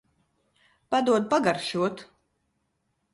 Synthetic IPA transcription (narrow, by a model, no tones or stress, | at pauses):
pad̪uɔd̪̚paɡaɾʃuɔt̪